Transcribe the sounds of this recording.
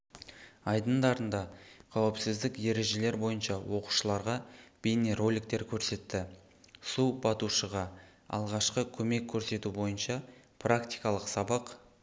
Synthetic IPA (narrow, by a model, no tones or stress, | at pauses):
ɑjd̪ənd̪ɑɾənd̪ɑqʰɑwɪpsɪzd̪ɪkje̞ɾe̞ʒe̞le̞ɾbo̞jənʃɑwo̞qu̥ʃəlˠɑɾʁɑb̥enero̞lʲik̚t̪e̞ɾkʲʰɵɾse̞t̪ːɪ | subɑt̪uʃəʁɑ | ɑ̰lˠʁɑʃqəkʲʰɵme̞kʲʰːɵɾse̞t̪ubo̞jənʃɑprakt̪ijkɑlˠəqsɑbɑq